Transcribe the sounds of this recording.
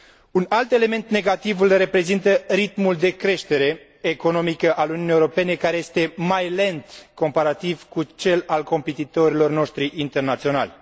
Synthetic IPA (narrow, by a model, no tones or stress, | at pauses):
unalt̪e̞le̞me̞nt̪ne̞ɡat̪ivɨlre̞pɾe̞zint̪əɾit̪muld̪e̞kɾe̞ʃt̪e̞ɾe̞ː | ko̞no̞mikəʔaluniunijewɾo̞pe̞ne̞kaɾe̞je̞st̪e̞majle̞nt̪ko̞mpaɾat̪iv̥kut͡ʃe̞lalko̞mpe̞t̪it̪o̞ɾilo̞rno̞ʃt̪ɾiʔint̪e̞rnat̪sio̞na̰lʲ